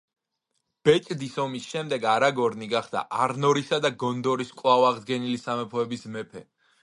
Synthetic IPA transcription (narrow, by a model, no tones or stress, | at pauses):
b̥ɛt͡ʃʼd̪isɔmisʃɛmd̪ɛɡaɾaɡɔɾniɡaχd̪a̰ʔaɾnɔɾisad̪aɡɔnd̪ɔɾiskʼwavwaʁd̪ɡɛnilisamɛpʰɔɛbismɛpʰɛ